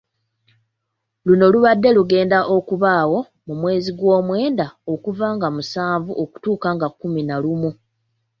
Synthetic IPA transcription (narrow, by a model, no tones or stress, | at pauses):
luno̞luβadːe̞luɡe̞ːndaʔo̞kuβaːwo̞ | mumwe̞ːziɡwo̞ːmwe̞ːndaokuvaːŋɡamusaːɱvuʔo̞ku̥tuːkaŋɡakːuminalumu